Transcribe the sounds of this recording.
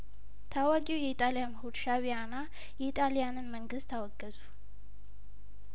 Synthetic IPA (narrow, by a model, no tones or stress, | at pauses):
t̪ʰawakʼiwjɛit̪ʼalijamhud̪ʃaβijana | jɛit̪ʼalijanɨnməŋɡɨst̪ʰːawɔɡːəzu